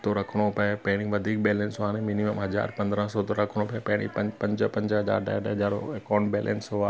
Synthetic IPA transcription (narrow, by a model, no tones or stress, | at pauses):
t̪oɾɐkʰɽ̃opɐepɐ̃ɦɪɽ̃ĩʋɐd̪ʱiːk̚beːlɛ̃ːnsɦuaːñẽminiməmɦɐza̰ːɾpɐ̃nd̪ɾãsɔt̪oɾɐkʰɽ̃õpɐpɐɦɪ̃ɽ̃ḭpɐpɐ̃ɲd͡ʒpɐ̃ɲd͡ʒɦɐza̰ːɾɖa̰ːjaɖaɦɐd͡ʑaːɾoekaːɳɖbeːlʔɛ̰̃nsɦuaː